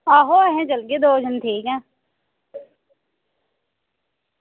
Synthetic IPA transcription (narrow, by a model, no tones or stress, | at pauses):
aːɦoːəɦẽːd͡ʒəlɡeːd̪oːd͡ʒənt̪ʰiːkɛ̃ː